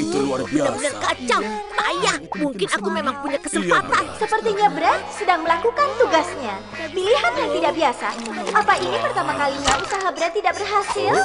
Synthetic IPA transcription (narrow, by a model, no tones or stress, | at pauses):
bənabənarkat͡ʃawt̪ajamuŋkɪnakumemaŋpuɲakəsəmpat̪ansəpərt̪iɲabəɾat̪̚sədaŋməlakukant̪uɡasɲa | miliɦanjaŋt̪idaʔbiasa̰apaʔinipərt̪amakaliɲaʔusaɦabəɾat̪ːidaʔbərɦasɪl